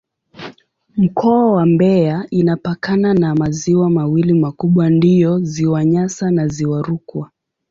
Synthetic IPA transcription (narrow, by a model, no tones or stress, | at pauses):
m̩kʰɔawambɛainapakananamaziwamawilimakuɓwandiɔziwaɲasanaziwaɾukwa